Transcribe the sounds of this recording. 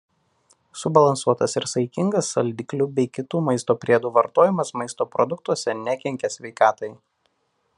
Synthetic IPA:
sʊbɐlˠɐnsuɔt̪ɐsɪɾsɐɪkʲɪŋɡɐsɐlʲd̪ʲɪklʲʊbʲɛɪkʲɪt̪uːmɐɪst̪oːpʲɾʲiɛd̪uːʋɐɾt̪oːjɪmɐsmɐɪst̪oːpɾɔ̰d̪ʊkt̪uɔsʲɛnʲɛkʲɛŋʲkʲɛsʲʋʲɛɪkɑːt̪ɐɪ

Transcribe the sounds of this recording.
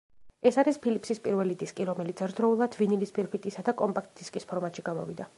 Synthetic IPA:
ɛsaɾispʰilipʰsispʼiɾvɛlid̪iskʼiɾɔmɛlit̪sʰɛɾd̪ɾɔulˠad̪vinilispʰiɾpʰit̪ʼisad̪akʼɔmpʼak̚ʰt̪ʼd̪̥iskʼispʰɔɾmat̪ʃiɡamɔ̰vid̪a

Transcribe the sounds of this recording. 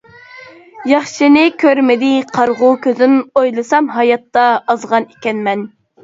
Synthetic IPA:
jɑχʃinɪkʲʰøɾmɪd̪ɪqʰɑɾʁʊkʲʰøzynojlˠɨsɑmɦɑjɑt̪ːɑːzʁɑnekʲɛnmɛn

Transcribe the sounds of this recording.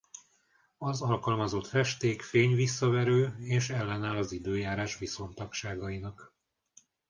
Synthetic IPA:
ɒzɒlkɒlmɒzo̞t̪fɛʃt̪eːkfeːɲvisːɒvɛɾøːeːʃɛlːɛnaːlɒzid̪øːjaːɾaːʃʋiso̞nt̪ɒkʃaːɡɒinɒk

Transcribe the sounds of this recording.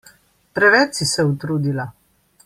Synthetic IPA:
pɾɛʋɛsisɛut̪ɾuːd̪ila

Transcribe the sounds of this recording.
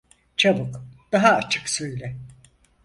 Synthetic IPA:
t͡ʃʰabɯkd̪̥aɦaːt͡ʃʰɯ̥ksøjlʲɛ

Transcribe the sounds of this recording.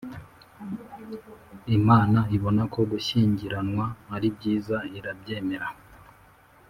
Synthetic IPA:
imaːnaiβo̞nako̞ɡuʃiːɲɟiɾanwaːɾib̚ɟiːzaiɾabɟe̞ːme̞ɾa

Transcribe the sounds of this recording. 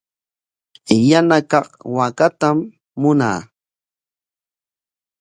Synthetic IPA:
janakɑχwakat̪amː | ʊna̰ː

